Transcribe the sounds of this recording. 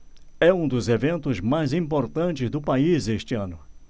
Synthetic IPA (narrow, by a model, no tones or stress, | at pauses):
ɛũd̪ʊzevẽnt̪ʊzmajzĩpoɾt̪ɐ̃nt͡ʃɪzd̪ʊpaizeʃt͡ʃɪɐ̃nʊ